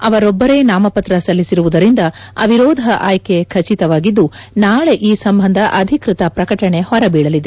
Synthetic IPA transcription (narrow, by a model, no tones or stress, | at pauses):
ɐʋɐɾɔbːɐɾe̞ːnaːmɐpɐt̪ɾɐsɐlːisiɾuʋud̪ɐɾind̪ɐɐ̰ʋiɾɔːd̪ʱɐʔaːjke̞kʰɐt͡ʃit̪ɐʋaːɡid̪ːunaːɭe̞ʔiːsɐmbʱɐnd̪ʱɐʔɐd̪ʱikɾit̪ɐpɾɐkɐʈɐɳe̞hɔɾɐbiːɽɐlid̪e